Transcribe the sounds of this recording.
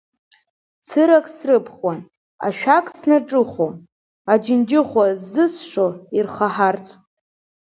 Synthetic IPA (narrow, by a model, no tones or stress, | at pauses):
t͡sʰɨɾakʼsrɨpʰχwan | a̰ʃᶣakʼsnaʈ͡ʂʼɨχʷo | ad͡ʒɪnd͡ʒɪχʷazːɨsʂoirχaħart͡sʰʼ